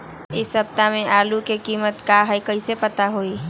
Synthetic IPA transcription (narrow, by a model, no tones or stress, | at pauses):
ɪsɐb̚t̪amẽʔaːlukekiːmət̪kaɦɛikəisepət̪aɦoiː